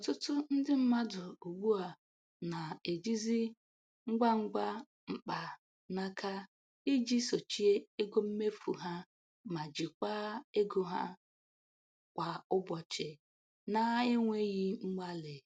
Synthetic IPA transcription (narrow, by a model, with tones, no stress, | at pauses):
ɔ˨tʊ˦tʊ˦n̩˦dɪ˦m̩˦ma˦dʊ˨o˨ɡ͡bʷu˦a˨ | na˨e˨d͡ʒi˦zi˦ | ŋ͡m̩˦ɡ͡ba˦ŋ͡m̩˦ɡ͡ba˦ | m̩˦k͡pa˨ | na˦kʰa˦ | i˦d͡ʒi˦so˨t͡ʃi˦e˦e˦ɡo˦m̩˦me˦fṵ˨ɦa˦ | ma˨d͡ʒi˨kʷa˦e˦ɡo˨ɦa̰˦ | kʷa˨ʊ˦bɔ˨t͡ʃe˨ | na˦e˦ŋʷe˦ɣi˦ŋ͡m̩˦ɡ͡ba˦le˨